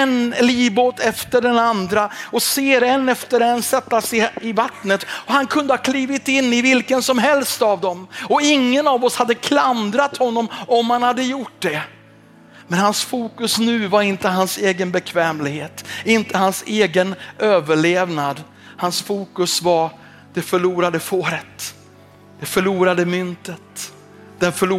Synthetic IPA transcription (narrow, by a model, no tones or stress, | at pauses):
ɛnliːboːt̪ʰɛft̪əɖɛnand̪ɾaɔseːɾɛnːɛft̪əɾɛnːsɛt̪ːasɪɪvat̪nət̪ɔhankʰɵnd̪əhaɑkʰliːvɪt̪ɪnːɪvɪlkənsɔmɦɛlst̪avd̪ɔmɔɪŋːənɑvɔshad̪ːəkʰland̪ɾat̪hɔnːɔmɔmhanhad̪ːəjʊʈːd̪ɛ | mɛnhansfuːkɵsnʉ̟ːvaɾɪnt̪əɦanseːɡənbɛkʰvɛːmlɪɡheːt̪ɪnt̪ʰəhanseːɡənøːvəɭeːvnad̪ | hansfuːkɵsvaɾ | d̪̥ɛfœɭuːɾad̪əfoːɾət̪ | d̪̥ɛfœɭuːɾad̪əmʏnt̪ət̪ | d̪̥ɛnfœɭuː